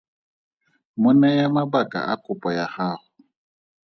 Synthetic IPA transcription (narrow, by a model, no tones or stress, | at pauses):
mʊnajamabakʼa̰ʔa̰kʼʊpʼɔjahaːχʊ